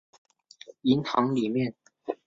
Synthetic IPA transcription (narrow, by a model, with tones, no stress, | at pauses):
i˧˥nhɑ̰˧˥ŋli˨˩mjɛ˥˨n